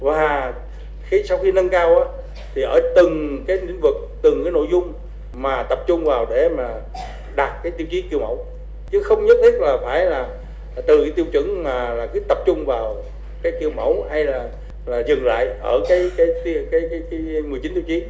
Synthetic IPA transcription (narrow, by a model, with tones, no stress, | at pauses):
vaː˨˩ | xi˧˦sa˧wxi˧nə˧nkaː˧wʔaː˨˦ | t̪ʰi˨˩ʔəː˧˩˦t̪ɨ˨˩ŋkaː˨˦jlḭ˧˥ŋ̟vɨ˨˩k̚t̪ɨ˨˩ŋkaː˨˦jno̰˧˨jzʊ˧ŋ͡m | maː˨˩t̪ə˨˩p̚t͡ɕʊ˧ŋ͡mvaː˨˩wɗe˧˩maː˨˩ | ɗa˨˩t̚kaː˨˦jt̪i˧əwt͡ɕi˨˦ki˧əwmə̰˧˦w | t͡ɕɨ˨˦xə˧wŋ͡mɲə˦˥t̚t̪ʰi˦˥t̚laː˨˩faː˧˩jlaː˨˩ | t̪ɨ˨˩˨t̪i˧əwt͡ɕwɨ̰˧˥ŋmaː˨˩laː˨˩kɨ˧˦t̪ə˨˩p̚t͡ɕʊ˧ŋ͡mvaː˨˩w | kaː˨˦jki˧əwmə˧˩˦wha˧jlaː˨˩ | laː˨˩zɨ˨˩ŋla̰ː˧˨jʔəː˧˩kaː˨˦jkaː˨˦jt̪i˧kaː˨˦jkaː˨˦jkaː˨˦jmɨ˨˩ət͡ɕi˨˦nt̪i˧wt͡ɕi˨˦